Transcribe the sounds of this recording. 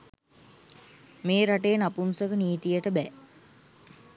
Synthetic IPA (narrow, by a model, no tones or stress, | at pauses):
meːɾaʈeːnapunsəkəniːt̪ijəʈəbɛː